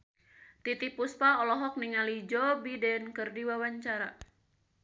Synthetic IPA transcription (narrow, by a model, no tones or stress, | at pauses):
t̪it̪ipuspaɔlɔɦɔk̚niŋalid͡ʒɔbidɛnkɨrdiwawaɲt͡ʃaɾa